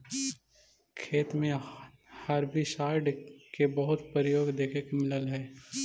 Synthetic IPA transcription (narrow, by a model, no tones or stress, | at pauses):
kʰeːt̪mẽ | hɐɾbʱisaːɪɖkebɐɦʊt̪pəɾəjoːɡd̪eːkʰekmɪləlɦɛː